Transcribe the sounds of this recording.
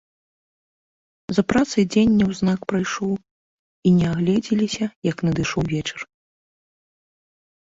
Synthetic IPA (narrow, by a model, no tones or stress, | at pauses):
zɐpɾat̪sɨjd͡zʲenʲːɐwznakpɾajʂɔw | inʲɛaɣlʲɛd͡zʲilʲisʲɐjɐknɐd̪ɨʂɔwvʲet͡ʂɐr